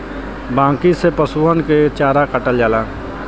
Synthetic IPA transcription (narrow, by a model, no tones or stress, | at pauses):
bãːkisepəsuːɦənket͡ʃaːɾakəʈəld͡ʒaːlaː